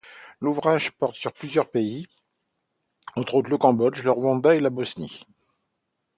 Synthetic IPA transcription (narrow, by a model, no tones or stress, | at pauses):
luvʁaʒpɔʁt̪syʁplyzjœʁpei | ɑ̃t̪χot̪χləkɑ̃bɔd͡ʒləʁwɑ̃d̪aelabɔsnḭ